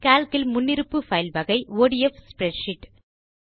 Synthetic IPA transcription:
kaːlkɪlmʊnːɪɾɯpːɯfɐɪlbɐɣɐɪoːɽɪɛfspɾɛɖʃɪʈː

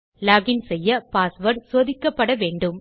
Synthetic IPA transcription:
laːɡɪnsɛjːɐpaːsʋɐɾsoːðɪkːɐpːɐɽɐʋeːɳɖɯm

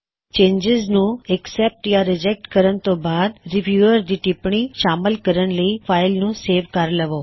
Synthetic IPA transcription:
t͡ʃẽɲd͡ʒɪznũɛksep̚ʈjaɾɪd͡ʒek̚ʈkəɾənt̪obad̪ɾiʋjuəɾd̪iʈipɳiʃaməlkəɾəɳləifajlnũseʋkaɾləʋo

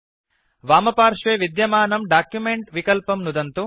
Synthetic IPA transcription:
ʋaːmɐpaːɾʂʋeːʋid̪jɐmaːnɐmɖaːkjumeɳʈʋikɐlpɐmnud̪ɐnt̪u

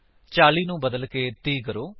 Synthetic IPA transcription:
t͡ʃaːliːnũːbəd̪əlkeːt̪iːkəɾoː

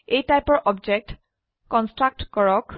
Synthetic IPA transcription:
ejtajpɔɹʔɔbd͡ʒɛk̚t | kɔnstɹak̚tkɔɹɔk

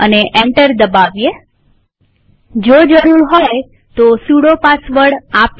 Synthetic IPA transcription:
əneʔeɳʈəɾd̪əbaʋje | d͡ʒod͡ʒəɾuɾɦoj | t̪osuɽopasʋəɾɽap

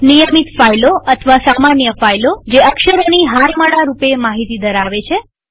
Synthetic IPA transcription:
nijəmit̪fajloət̪ʰʋasamanjəfajlod͡ʒeəkʃəɾoniɦaɾməɭaɾupemaɦit̪id̪əɾaʋet͡ʃʰe

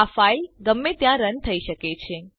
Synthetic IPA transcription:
afaiɡəmːet̪jãɾənt̪ʰəiʃəket͡ʃʰe

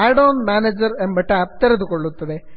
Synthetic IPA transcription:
aːɽoːnmaːneːd͡ʑɐɾembɐʈːeɐpt̪ɐɾɐðukoɭːut̪ːɐðe

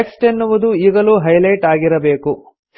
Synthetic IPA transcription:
ksʈenːuʋud̪uiːɡɐluːɦɐjlɐjʈaːɡiɾɐbe̞ːku

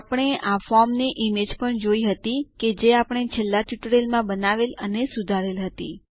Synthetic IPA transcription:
apəɽ̃eafɔɾmneʔimed͡ʒpəɳd͡ʒoiɦət̪iked͡ʒeapəɳ̃et͡ʃʰelːat̪juʈɾelmãbənaʋelənesud̪ʱaɾelɦət̪ḭ

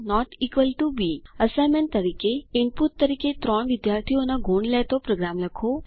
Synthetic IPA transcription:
nɔʈiːkʋəlʈubiəsajmeɳʈ̚t̪əɾiːkeɪnput̪ːəɾiːket̪ɾɔɳ̃ʋɪd̪jaːɾt̪ʰijonaɡʱoɳlɛt̪opɾoɡɾamləkʰo

